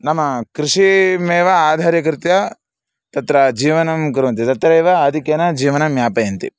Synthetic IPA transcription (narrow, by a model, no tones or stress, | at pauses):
nɐmɐkɾiʂimeːʋɐaːd̪ʱaːɾjɐk̬ɾɪt̪jɐ | t̪ɐt̪ɾɐd͡ʒiːʋɐnɐmk̬uɾuʋɐnt̪it̪ɐt̪ɾɐeːʋɐːd̪ʱikjɐnɐd͡ʒiːʋɐnɐmjaːpɐjɐnt̪ḭ